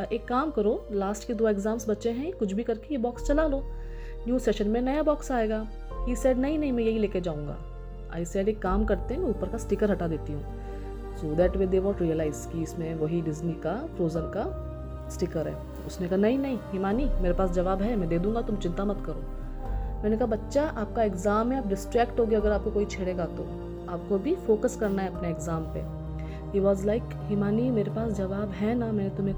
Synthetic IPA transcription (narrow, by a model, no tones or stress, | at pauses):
ʔeːkːaːmkɐɾoːlaːsʈked̪oːeɡzaːmsbɐtːʃẽɦɛ̃kʊt͡ʃʰbʱikɐɾkejebɔːkst͡ʃɐlaːloː | njuːseːʃənmẽnɐjabɔːksaːeːɡaː | iːsɛːɖnɐɦĩnɐɦĩmɛ̃jɐɦileːked͡ʒaːũŋɡa̰ː | a̰ːɪsɛːɖeːkːaːmkɐɾt̪ẽɦɛ̃mɛ̃uːpəɾkasʈɪkəɾɦɐʈad̪eːt̪iɦũː | soːd̪ɛːʈʋeːd̪ebɔːʈɾijəlaːɪzkiɪsmẽʋɐɦiɖɪznikafɾoːzənka | sʈɪkəɾɦɛ̰ː | ʊsnekaɦanɐɦĩnɐɦĩɦimaːnimeːɾepaːsd͡ʒɐʋaːbɦɛmɛ̃d̪eːd̪ũːŋɡat̪ʊmt͡ʃɪ̃nt̪amɐt̪kɐɾo̰ː | mɛːnekɐɦabɐtːʃaʔaːp̚kaeɡzaːmɦɛ̃aːpɖɪsʈɾɛːkʈɦoːɡiɐɡəɾaːp̚kokoːit͡ʃʰeːɽeːɡat̪o̰ | aːp̚kobʱifoːkəskɐɾnaɦɛɐpneːɡzãːmpḛ | hiːʋɔːzlaɪk | himaːnimeːɾepaːsd͡ʒɐʋaːbɦɛnamɛ̃ːnet̪ʊmẽ